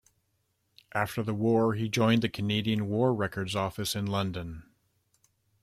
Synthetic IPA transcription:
ʔæftə˞ðəwɔɹid͡ʒɔ̃ɪ̃nðɨkʰɨneɪɾiɨ̃nwɔɹɹɛkə˞dzɔfɨsɨ̃nlʌ̃ndɨ̃n

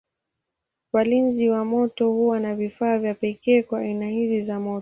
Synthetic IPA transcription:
walinziwamɔtɔhuwanavifaːvjapɛkɛːkwaːinahizizamɔ

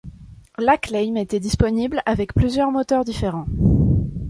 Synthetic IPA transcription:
laklɛjmet̪ɛd̪ispɔniblavɛkplyzjœʁmɔt̪œʁd̪ifeʁɑ̃

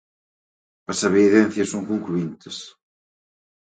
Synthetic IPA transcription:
ɐsaβeːðɛn̟θjɐsːoŋkoŋkluint̪ɪs

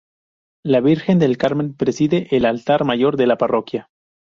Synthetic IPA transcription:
laβiɾxe̞nd̪e̞lkaɾmẽ̞npɾe̞siðe̞ʔːlalt̪aɾmaʝo̞ɾðe̞laparo̞kja

